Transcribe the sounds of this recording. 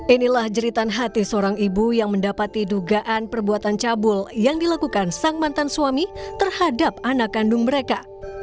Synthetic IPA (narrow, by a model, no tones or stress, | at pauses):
ʔinilahd͡ʒəɾit̪anɦat̪isəoɾaŋibujaŋməndapat̪iduɡaʔanpərbuat̪ant͡ʃabʊljaŋdilakukansaŋmant̪ansuamit̪ərhadap̚anakːandʊŋməɾeka